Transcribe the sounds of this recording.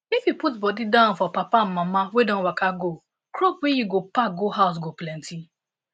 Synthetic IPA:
ifjiputbɔdidaʊ̃nfɔpapam̩mãmawedɔ̃nwakaɡo | kɾopwejiɡopaɡoɦaʊs̬ɡoplɛ̃ntʰi

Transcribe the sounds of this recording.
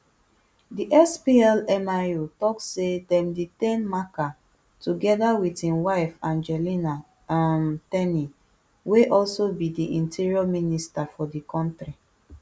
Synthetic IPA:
diʔɛspiɛlɛmajutɔkssːedɛ̃mditẽnmaka | tuɡɛdawidĩnwaɪfãnd͡ʒɛlina | amtɛni | weʔɔlsobidiʔĩntʰiɹiɔministafɔdikʰɔ̃ntɹi

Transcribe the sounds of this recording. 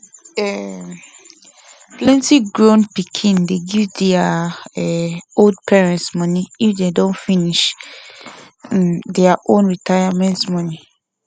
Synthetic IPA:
ɛ | plɛ̃ntiɡɹõnpikʰĩndeɡivdɛaɛold̚pʰɛɹɛ̃ntsmɔ̃niifdedõnfiniʃ | dɛaʔõnɹitʰajamɛ̃ntmɔ̃ni

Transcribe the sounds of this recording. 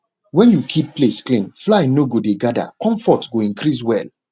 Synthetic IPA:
wɛ̃njukʰipːlesklĩŋflajnoɡodeɡada̰kɔ̃ɱfɔtɡoĩnkɾis̬wɛl

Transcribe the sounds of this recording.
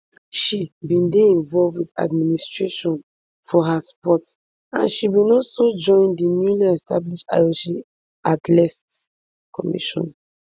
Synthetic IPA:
ʃibĩndeĩnvɔlvwiθa̰d̚ministɹeʃɔ̃n | fɔɦaspɔt | ã̰nʃibĩnɔsod͡ʒɔ̃ɪ̃ndinjuliɛstabliʃa̰jɔʃĩ | atlɛst | kɔmḭʃɔ̰̃n

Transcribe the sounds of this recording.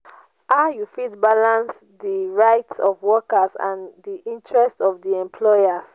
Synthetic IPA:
ajufidbalãns | diɹaɪtsɔvwɔkasã̰ndiʔĩntɹɛstɔvdiɛ̃mpʰlɔjas

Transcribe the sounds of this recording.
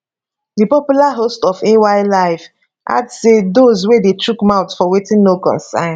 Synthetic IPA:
dipɔpjulaɦostɔfewaɪlaɪf | ʔa̰dsedozwedetʰɹukmaʊtfɔwetĩnnokɔ̰̃nsã̰ɪ̃n

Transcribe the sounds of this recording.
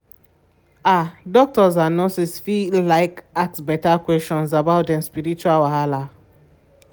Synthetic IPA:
adɔk̚tɔzanɔ̃sisfilaɪkak̚sbɛtakwɛst͡ʃɔ̃nsabaʊtɛ̃nspiɾit͡ʃualwaɦala

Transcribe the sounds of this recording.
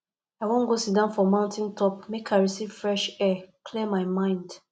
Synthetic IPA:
aɪwõnɡosidãnfɔmãʊ̃ntĩntʰɔp̚mekʰaɪɹisiv̥fɹɛʃɛkʰlemaɪmãɪ̃nd

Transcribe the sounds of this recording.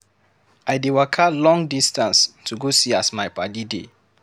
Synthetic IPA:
ʔajdewakʰalɔ̃ŋdistãnstʰuɡosiasmajpadidḛ

